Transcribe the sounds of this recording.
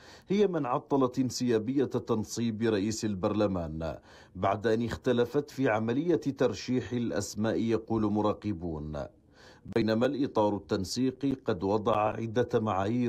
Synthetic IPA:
hɪjamɪnʕɑt̪ˤːɑlɑt̪ʔɪnsɪjaːbɪjːat̪ɑnsˤiːbɾˤɑʔiːsalbɑɾˤlamaːn | baʕd̪aʔanɪxt̪alafat̪fiːʕamalɪjːat̪ɑɾˤʃiːħɪlʔa̰smaːʔɪjɑquːlmʊɾˤɑːqɪbuːn | bajnamalʔɪt̪ˤɑːɾˤʊt̪ːansiːqqɑd̪wɑd̪ˤɑʕa̰ʕɪ̰d̪ːamaʕaːjiː

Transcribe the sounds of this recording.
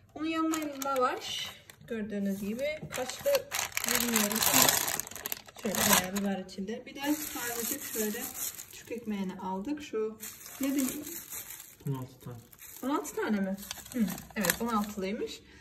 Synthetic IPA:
bonujanmanlavaʃɟ̥øɾd̪yːnyzɟibɪkʰat͡ʃlˠɯbiɾmijo̞ɾum | ʃøjlʲɛbaabivaɾit͡ʃʰind̪ɛbid̪ɛaɾzˠɯd͡ʒɯkʃuld̪ɛt͡ʃʰy̥cecmejniʔalˠd̪ɯkʃuned̪ilʲi | onalˠt̪ʰɯ̥t̪ʰaːnɛ | onalˠt̪ʰɯ̥t̪ʰaːnemɪhɯevɛt̪̚bonalˠt̪ʰɯlˠɯjmɯʃ

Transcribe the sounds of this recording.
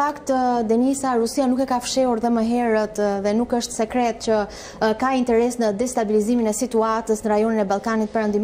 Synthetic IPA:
akt̪d̪ɛnisaɾusianukɛkafʃɛuɾðɛməɦɛɾət̪ðɛnukəʃt̪sɛkɾɛt̪̚cə | kaint̪ɛɾɛsnəd̪ɛst̪abiliziminɛsit̪uat̪əsnəɾajɔninɛbalˠkanit̪̚pɛɾɛnd̪im

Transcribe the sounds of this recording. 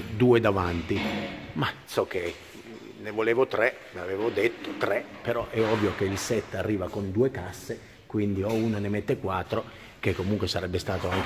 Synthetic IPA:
d̪uːed̪avant̪imasɔk̟ːe | nevoleːvot̪ɾɛ | meaveːvod̪et̪ːo̥t̪ɾɛpeɾɔʔɛɔvːjok̟eilsɛt̪ːarːiːvakond̪uːekasːe | kwind̪iɔuːnonemet̪ːekwat̪ːɾo | k̟ekːomuŋkwesaɾɛbːest̪aːt̪oaŋk

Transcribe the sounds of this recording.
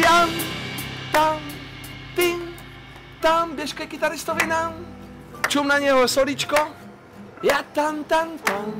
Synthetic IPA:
jan | t̪am | t̪in | t̪ambjɛʃkɛjkit̪aɾist̪ovinam | t͡ʃumnaɲɛɦɔsɔɾit͡ʃkɔ | jat̪ant̪an

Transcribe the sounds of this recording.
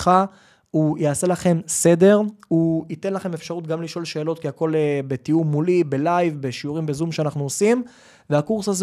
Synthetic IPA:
χa | ujaːse̞laχe̞msede̞ʁuit̪e̞nlaχe̞mefʃaʁut̪̚ɡamliʃo̞lʃe̞ːlo̞t̪kiako̞lebe̞tiumːulibelajvbe̞ʃiuʁimbezumʃeanaχnuosim | veakuʁsaz

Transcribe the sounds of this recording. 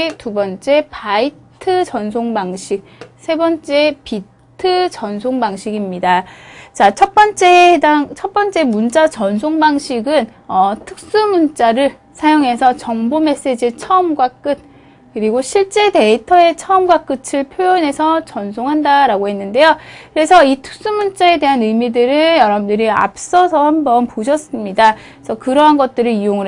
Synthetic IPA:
tubʌnt͡ɕ͈e̞paitʰɯt͡ɕʌnsʰoŋbaŋɕʰik̚sʰe̞bʌnt͡ɕ͈e̞pi | tʰɯt͡ɕʌnsʰoŋbaŋɕʰiɡimɲidat͡ɕat͡ɕʰʌp͈ʌnt͡ɕ͈e̞daŋt͡ɕʰʌt̚p͈ʌnt͡ɕ͈e̞munt͡ɕ͈at͡ɕʌns̬ʰoŋbaŋɕʰiɡɯn | ʌtʰɯk̚s͈ɯmunt͡ɕ͈aɾɯɭ | sʰajoŋɦe̞sʰʌt͡ɕʌŋbome̞s͈e̞d͡ʑit͡ɕʰʌmɡwak͈ɯt̚ | kɯɾiɡoɕʰiɭt͡ɕ͈e̞de̞itʰʌe̞t͡ɕʰʌʌmɡwak͈ɯt͡ɕʰɯɭpʰjojʌne̞sʰʌt͡ɕʌnsʰoŋɦandaɾaɡoɦe̞nːɯnde̞jokɯɾe̞sʰʌitʰɯ̥k̚s͈umunt͡ɕ͈ae̞de̞ɦanɯjmidɯɾɯjʌɾʌbndɯɾia̰p̚s͈ʌsʰʌhambʌnpoɕ̬ʰʌs͈ɯmɲida | sʰʌkɯɾʌɦanɡʌt̚t͈ɯɾɯijoŋɯ

